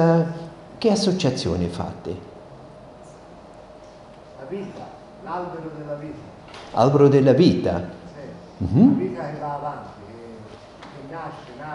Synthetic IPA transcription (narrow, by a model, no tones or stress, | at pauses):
a | k̟ɪasːot͡ʃat̪sːjo̰ːnɪfa̰t̪ːɪ | laviːt̪a | lalbeɾod̪elːaviːt̪a | a̰lbeɾʊd̪ɪlːaviːt̪a̰si | m̩viːt̪akɪvaːvant̪i | keːaʃːena